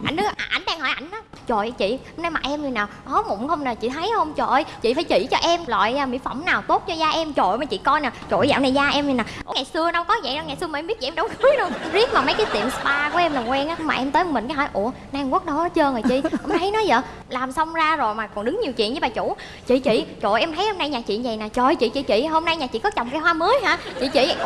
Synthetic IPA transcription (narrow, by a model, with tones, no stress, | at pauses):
ʔa̰˨˩jŋnɨ˨˦ʔʔa˧˩jŋ̟ɗaː˧ŋɦɔ˧˩jʔa˧˩jŋ̟ʔaː˨˦ | t͡ɕo̰˧˨jt͡ɕḭ˧˨ə˧wŋ͡mna˧jmaː˨˩ʔɛ˧mzɨ˨˩naː˨˩wʔɔ˨˦mʊ̰˧˩ŋ͡mhə˧wŋ͡mnaː˨˩t͡ɕḭ˧˨t̪ʰə˨˦jhə˧wŋ͡mt͡ɕo̰˧˨˩jt͡ɕḭ˧˨faː˧˦jt͡ɕḭ˧˨t͡ɕɔ˧ʔɛ˧mla̰ː˧˨jmḭ˧˥˦fə̰˧˩ŋ͡mnaː˨˩wt̪o˦˥t̚t͡ɕɔ˧zaː˧ʔɛ˧mt͡ɕo̰˧˨jmaː˨˩t͡ɕḭ˧˨kɔ˧jnaː˨˩t͡ɕo̰˧˨jza̰ː˧˨wna˨˩zaː˧ʔɛ˧mɲ˨˩naː˨˩ʔo̰˧˦ŋa˨˩jsɨ˧ən˧wŋ͡mkɔ˨˦zə̰˧˨a˧ŋaː˨˩jsɨ˧əmː˨˩˧mɓi˦˥t̚t͡ɕi˧˨˧ɗə˨˦wkɨ˨˦jnə˧zi˦˥ət̚maː˨˩mə˨˦jkaː˨˦jt̪ḭ˧˨əmspaː˧ku˧˩əʔɛ˧mlaː˨˩ŋwɛ˧nʔaː˨˦˧maː˨˩ʔɛ˧mt̪əː˨˦jmï̟˨˩kaː˨˦ɦɔ˧˦jʔṵ˧˩ə | naː˧ŋku˦˥ək̚ɗɔ˨˦t͡ɕəː˧ŋə˨˩jt͡ɕḭ˧˨ɔ˧˩mt̪ʰə˨˦jnɔ˨˦jzə̰ː˧˨ | laː˨˩msə˧wŋ͡mzaː˧zo˨˩jmaː˨˩kɔ˨˩nɗɨ˨˦ŋɲi˨˩əwt͡ɕḭ˧˨ənzə˨˦ɓaː˨˩t͡ɕu˧˩˥ | t͡ɕḭ˧˨t͡ɕḭ˧˨t͡ɕo̰˧˨jʔɛ˧mt̪ʰə˨˦jho˧mna˧jɲaː˨˩t͡ɕḭ˧˨ənzə˨˩jnaː˨˩t͡ɕo̰˧˨˩jt͡ɕḭ˧˨t͡ɕḭ˧˨t͡ɕḭ˧˨ɦo˧mna˧jɲaː˨˩t͡ɕḭ˧˨kɔ˨˦t͡ɕɔ̰˧˨wŋ͡mkaː˨˧˦jɦwaː˧mɨ˨˦əjɦaː˧˥t͡ɕḭ˧˨t͡ɕḭ˧˨